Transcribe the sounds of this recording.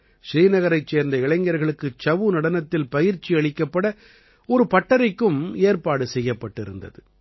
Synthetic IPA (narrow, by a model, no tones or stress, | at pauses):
ʂɾiːnɐɣɐɾɐɪt͡ʃseːɾnd̪ɐɪɭɐŋɡɐɾɣɐɭɯkːɯt͡ʃɐʋɯnɐɽɐnɐt̪ːɪlpɐjɪɾt͡ʃiɐɭɪkːɐpːɐɽɐ | ɔɾɯpɐʈːɐɾɐɪkːɯmeːɾpaːɽɯsɛjːɐpːɐʈːɪɾɯ̰nd̪ɐ̰ðɯ